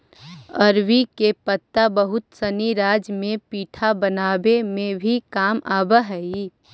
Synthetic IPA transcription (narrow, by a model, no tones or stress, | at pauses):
əɾwikepət̪ːabəɦʊt̪səniɾaːd͡ʒmẽpiːʈʰabənaːbemẽbʱikaːmaːbəɦɛi